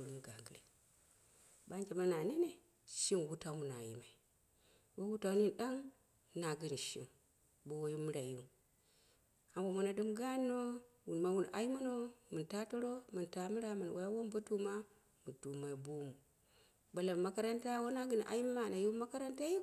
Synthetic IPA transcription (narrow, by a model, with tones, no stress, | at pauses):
u˨ɾmu˨ɡa̰˨ɡɨ˨ɾe˨ | ba˦nd͡ʒe˨ma˦na˨ni˦ne˨ | ʃi˦nwu˦ta˨mu˨na̰˨jḭ˨ma˨i˨ | bo˦wu˦ta˨˦ni˦nɗa˦ŋ | na˨ɡi˨n˨ʃḭ˦˨m | bo˦wo˦ju˦mi˦ɾa˨ji˦ | a˨bo˨mu˨na˨dɨ˦mɡa˦nːo˦wu˨nma˨wu˨n˨a̰˦ji˦ma˦no˦mɨ˨nta˦to˦ɾo˦mɨ˨nta˨mi˦ɾa˨˦ma˨n˨wʔa˨˦ja˦wo˦mbo˦tu˦ma˦ | mu˨tu˨ma˨i˨bu˦mu˨ | ba˨la˨ma˦ka˦ɾa˦nta˦wo˦na˦ɡɨ˨˦n˨ʔa̰˨i˦m˦ma˦˨na˨ju˦ma˦ka˦ɾa˦nta˦ji˦k